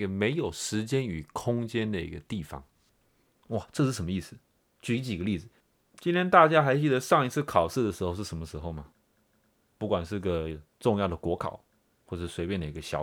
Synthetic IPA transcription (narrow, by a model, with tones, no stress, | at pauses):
ɡə˨me˧˥ɪjo˨˩ʊʂɻ̩˧˥t͡ɕjɛ˥ny˨˩kʰʊ˥ŋt͡ɕjɛ˥nd̪ə˨ḭ˧˥ɡə˧t̪i˥˩fɑ̰˩ŋ | wa˥˩ʈ͡ʂɤ˥˧ʂɻ̩˥˩ʂə˧˥mə˧i˥˩sɹ̩˨˩ | t͡ɕy˥˩i˧˥t͡ɕi˨˩ɡə˦li˥˩d͡z̩˩ | t͡ɕi˥nt̪ʰjɛ˥nt̪a˥˧t͡ɕja˥xa˧˥ɪt͡ɕy˥d̪ə˧ʂɑ˥˩ŋi˧˥t͡s̩ʰ˥˩kʰɑ˨˩ʊʂɻ̩˥˩d̪ə˩ʂɻ̩˧˥o˧ʂ̬ɻ̩˥˩ʂə˧˥nmə˧ʂɻ̩˧˥xo˥˩ʊmɐ˩ | pu˥˩kwa˨˩nʂɻ̩˥˩i˧˥ɡə˨˩ʈ͡ʂʊ˥˧ŋjɑ˥˩ʊd̪ə˩kwɔ˧˥kʰɑ̰˨˩˦ʊ | xwɔ˥˩ʈ͡ʂə˨˩ʂɻ̩˥˩swe˧˥ɪpjɛ˥˩nd̪ə˩i˧˥ɡə˧ɕjɑ̰˨˥˦